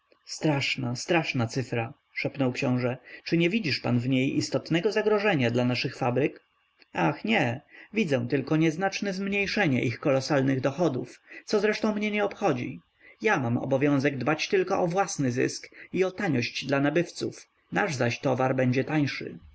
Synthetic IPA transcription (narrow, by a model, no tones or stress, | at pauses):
st̪ɾaʂnast̪ɾaʂnat̪sɘfɾa | ʂɛpnɔwkɕɔ̃w̃ʐɛt͡ʂɘɲɛvʲid͡ʑiʂpanvɲejḭst̪ɔt̪nɛɡɔzaɡɾɔʐɛɲad̪lanaʂɘxfabɾɘk | axɲɛvʲid̪zɛ̃w̃t̪ɘlkɔɲɛznat͡ʂnɛzmɲejʂɛɲɛ̰ʔixkɔlɔsalnɘɣd̪ɔxɔd̪uft̪sɔzɾɛʂt̪ɔ̃w̃mɲɛɲɛɔpxɔd͡ʑḭ | jamamɔ̰bɔvʲjɔ̃w̃zɛɡ̚d̪bat͡ɕt̪ɘlkɔʔɔvwasnɘzɘ̰skiɔt̪aɲɔɕt͡ɕd̪lanabɘft̪suf | naʐzaɕt̪ɔvaɾbɛɲd͡ʑɛt̪ajʂɘ̰